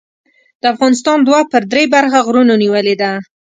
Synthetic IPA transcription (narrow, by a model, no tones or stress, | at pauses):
d̪̥əafɣɑnɪs̬t̪ɑnd̪wapəɾd̪ɾebaɾxaɣɾunoniwəled̪a